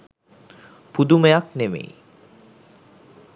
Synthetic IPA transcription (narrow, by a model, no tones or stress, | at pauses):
pud̪umejaknemḛj